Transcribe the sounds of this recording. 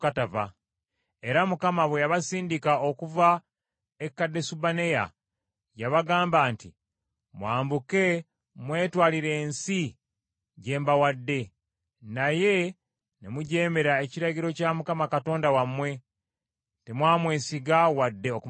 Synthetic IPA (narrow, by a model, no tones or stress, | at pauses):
katava̰ | e̞ɾamukamaβwe̞jaβasiːndikao̞kuva | ekːadːe̞subane̞ja̰ | jaβaɡaːmbaːnti | mwaːmbuke̞ | mwe̞ːtwaːliɾe̞ːnsi | ɟe̞ːmbawadːe̞ | naje̞ | nemuɟe̞ːme̞ɾae̞ciɾaɟiɾo̞camukamakato̞ːndawamwe̞ | te̞mwaːmwe̞ːsiɡawadːe̞oku